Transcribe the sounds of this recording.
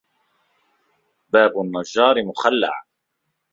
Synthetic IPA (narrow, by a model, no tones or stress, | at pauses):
baːbʊnːɑd͡ʒːɑːɾɪmʊxalːa̰ʕa